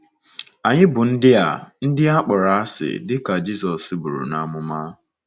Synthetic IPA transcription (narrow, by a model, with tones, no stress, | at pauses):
a˨ɲɪ˦bʊ˨n̩˦dɪ˦a̰˨n̩˦dɪ˦a˦k͡pʊ˨ɾa˨a˦sɪ̰˨dɪ˦ka˨d͡ʒi˦sɔ˨sbu˨ɾṵ˨na˦mʊ˦ma˦